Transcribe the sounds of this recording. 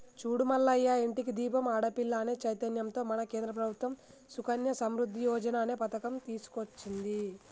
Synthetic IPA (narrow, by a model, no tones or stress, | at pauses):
t͡ʃuːɽumɐlːɐjːaiɳʈikid̪iːpɐmaːɽɐpilːaːneːt͡ʃɐjt̪ɐnjɐmt̪o̞ːmɐnɐkeːnd̪ɾɐp̬ɾɐbʱut̪ʋɐm | sukɐnjɐsɐmɾud̪ʱːijɔːd͡ʒɐnaːneːpɐt̪ɐkɐmt̪iːsu̥kot͡ʃːind̪i